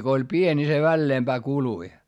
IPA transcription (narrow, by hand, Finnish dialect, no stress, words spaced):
ko olʲ pienʲ ni se ʋælːeːmb̥æː kului